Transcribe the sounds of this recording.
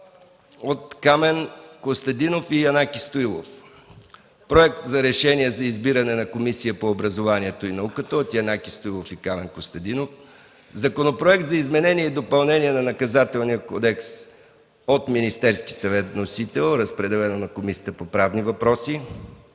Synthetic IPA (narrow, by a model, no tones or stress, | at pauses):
ot̪kamɛnkost̪ɐd̪inofijɐnakʲist̪oilˠo̰f | pɾoɛk̚t̪zɐɾɛʃɛniɛzɐizbiɾɐnɛnɐkomisijəpoːbɾɐzovaniɛt̪oinɐukət̪əot̪jɐnakʲist̪oilˠofikamɛnkost̪ɐd̪inof | zɐkonopɾoɛkt̪zɐizmɛnɛniɛid̪opɐlˠnɛniɛnɐnɐkɐzat̪ɛlˠnijəkod̪ɛks | ot̪minist̪ɛɾski̥sɐvɛt̪nosit̪ɛlˠɾəspɾɛd̪ɛlɛnonɐkomisiə̥t̪əpopɾavnivɐpɾɔsi